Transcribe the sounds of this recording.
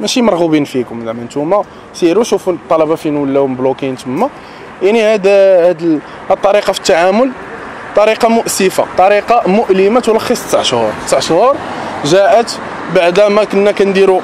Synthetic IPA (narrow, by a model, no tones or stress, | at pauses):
mæʃimɑɾˤɣubinfikʊmd̪aʕmənt̪umæ | siɾuʃufunət̪ˤːɑlɑbɑfinwəlːæmblokint̪əmːæ | jaʕnihæd̪hæd̪ | ht̪ˤːɑɾiqɑfi̥t̪ːaʕamʊl | t̪ˤːɑɾiqɑmʊʔsːəfa̰t̪ˤɑɾiqɑmʊʔlimaæt̪wlxisˤt̪saʕʃhṵɾˤt̪əsaʕʃhʊɾˤʒæʔət̪ | baʕd̪æmækənːækænd̪iɾu